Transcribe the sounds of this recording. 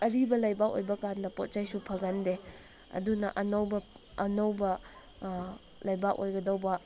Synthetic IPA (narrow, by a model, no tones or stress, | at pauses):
ɐɾibɐlajbako̰jbɐkandɐpot̚t͡ʃajsupʰɐɡɐnde | ɐ̰dunɐ̰ʔɐnɐwbɐ | ɐnɐwbɐ | lɐjbako̰jɡɐdɐwbɐ